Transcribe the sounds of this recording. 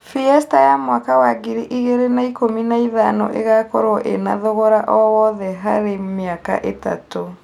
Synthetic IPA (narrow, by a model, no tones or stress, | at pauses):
fiɛstajamwakawaɡiɾiʔiɣeɾenaikominaiðanɔ̰ʔḛɣakɔɾɔʔḛnaðoɣɔɾaʔɔwɔðɛɦaɾemeaka̰ʔeta̰to